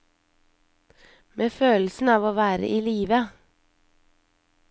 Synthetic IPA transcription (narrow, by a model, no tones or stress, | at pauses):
mʔeːføːl̩sn̩ɑːʋoːʋæːɾə̰ʔiːliːʋə